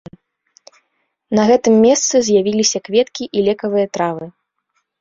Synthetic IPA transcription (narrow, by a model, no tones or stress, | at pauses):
nɐɣɛt̪ɨmːʲɛst̪sɨzʲjavʲilʲisʲɐkvʲɛt̪kʲiʔilʲɛkɐvɨjɐt̪ɾavɨ